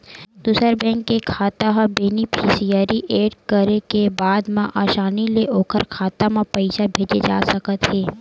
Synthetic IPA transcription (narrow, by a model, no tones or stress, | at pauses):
d̪usəɾbɛ̃ːŋkːekʰaːt̪aɦãbenipʰiːsijaɾiʔeːɖkəɾekebaːd̪mãʔaːʃaːnileʔoːkʰəɾkʰaːt̪amãpəɪʃabʱeːd͡ʒed͡ʒa̰ːsəkət̪ɦɛː